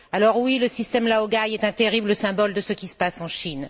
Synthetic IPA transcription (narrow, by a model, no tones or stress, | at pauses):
alɔʁwiləsist̪ɛmlaoɡajɛt̪ɛ̃t̪eʁibləsɛ̃bɔld̪əsəkʲisə̥pasɑ̃ʃin